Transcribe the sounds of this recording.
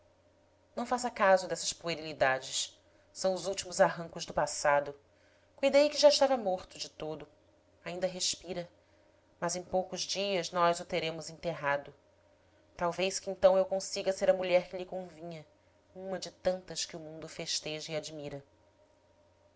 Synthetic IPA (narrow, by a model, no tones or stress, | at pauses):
nɐ̃w̃fasɐkazʊd̪ɛsɐspueɾilid̪ad͡ʒɪs | sɐ̃w̃ʊzuwt͡ʃimʊzaɦɐ̃ŋkʊʒd̪ʊpasad̪ʊ | kujd̪ejkɪʒaɪʃt̪avɐmoɾt̪ʊd͡ʒɪt̪od̪ʊ | aĩnd̪ɐɦeʃpiɾɐ | mɐzẽj̃powkʊzd͡ʒiɐznɔzʊt̪eɾẽmʊzẽt̪eɦad̪ʊ | t̪awvejʃkɪẽnt̪ɐ̃w̃ewkõsiɡɐseɾɐmuʎɛɾkɪʎɪkõvĩɲɐ | ũmɐd͡ʒɪt̪ɐ̃nt̪ɐʃkɪumũnd̪ʊfeʃt̪eʒɐiad͡ʒmiɾɐ